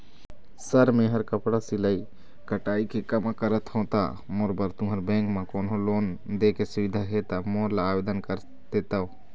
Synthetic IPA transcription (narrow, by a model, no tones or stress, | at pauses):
səɾmẽɦəɾkəpɽasiləi | kəʈaːikʰekəmakəɾət̪hõːt̪a̰ | moːɾbəɾt̪ʊ̃ɦəɾbɛ̃ːŋkmãkoːnõloːnd̪eːkesʊʋɪd̪ʱaɦet̪amoːɾlaːbeːd̪ənkəɾ | d̪̥eːt̪ao